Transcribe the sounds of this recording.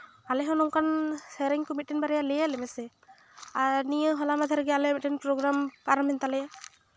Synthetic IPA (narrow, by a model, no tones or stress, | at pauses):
alɛɦɔnɔŋkʰanseɾiŋkɔmit̚ːɛnbaɾɛjalɛjalɛmɛsɛ | aniɯɦɔlamad̪ʰʱaɾɡɛalɛmɛtɛnpɾɔɡɾampaɾamɛntalɛja